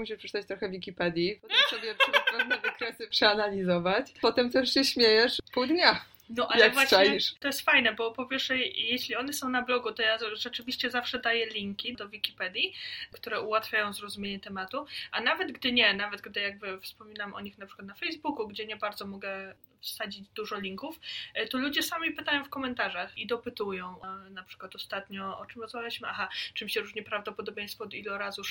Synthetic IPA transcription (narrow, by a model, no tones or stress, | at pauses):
muɕiʂpʂɛt͡ʂɘt̪at͡ɕt̪ɾɔxɛvʲikʲipɛd̪ʲjipɔt̪ɛmsɔbʲjɛpɛɛd̪nɛvɛkɾɛsɘpʂɛanalʲizɔvat͡ɕpɔt̪ɛmt̪ɛʂɕɛɕmʲjejɛʂpuwd̪ɲa | nɔʔajɛkvwaɕajiʂt̪ɔjɛst̪fajnɛbɔpɔpʲjɛɾʂɛjjeɕlʲiɔnɛsɔ̃w̃nablɔɡut̪ɔjaʐɛt͡ʂɘvʲiɕt͡ɕɛzafʂɛd̪ajɛlʲiŋkʲid̪ɔvʲikʲipɛd̪ʲjikt̪uɾɛʔuwat̪fʲajɔ̃w̃zɾɔzumʲjeɲɛt̪ɛmat̪uʔanavɛd̪ɡd̪ɘɲɛnavɛd̪ɡd̪ɘjaɡ̚bɘfspɔmʲinamʔɔ̰ɲixnapʂɘkwat̪nafɛjzbukuɡd͡ʑɛɲɛbaɾd̪zɔmɔɡɛ | fsad͡ʑid͡ʑd̪uʐɔlʲiŋkuft̪ɔlud͡ʑɛsamʲipɘt̪ajɔ̃w̃fkɔmɛnt̪aʐaxid̪ɔpɘt̪ujɔ̃w̃napʂɘ̥kwat̪ɔst̪at̪ɲɔɔ̰t͡ʂɘmɾɔzmavʲjaliɕmɘʔaxat͡ʂɘmɕɛɾuʐɲɛpɾavd̪ɔpɔd̪ɔbʲjẽj̃st̪fɔd̪ilɔɾazu